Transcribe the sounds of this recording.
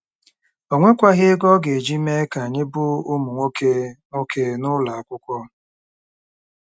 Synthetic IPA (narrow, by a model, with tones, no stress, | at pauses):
o˨ŋʷe˦kʷa˦ɦɪ˦ɡɔ˦ɡe˨e˨d͡ʒi˦me˦ka˨ɲɪ˦bʊ˦ʊ˦mu˨ŋʷo˦ke˦ŋo˦kʰe˦nʊ˦la˨a˨kʷʊ˦kʷɔ˦